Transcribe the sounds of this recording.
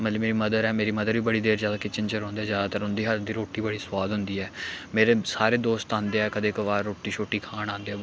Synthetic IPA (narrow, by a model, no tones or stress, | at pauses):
mət̪ləbmeːɾiːməd̪əɾɛːmeːɾiːməd̪əɾʋiːbəɽiːd̪eːɾd͡ʒaːd̪aːkɪt͡ʃənt͡ʃəɾõːnd̪eːd͡ʒaːaːt̪əɾʊnd̪iːɦəɾd̪iːɾoːʈiːbəɽiːswaːd̪ɦʊnd̪iːɛːmeːɾeːsaːɾeːd̪oːst̪ãːnd̪eːɛːkəd̪eːkʋaːɾːoːʈiːt͡ʃʰoːʈːiːkʰaːnãːnd̪eːɛː